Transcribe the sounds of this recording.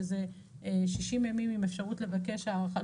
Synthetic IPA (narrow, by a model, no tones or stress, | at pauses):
ze | ʃiʃimjamimimefʃaʁutle̞vake̞ʃaχa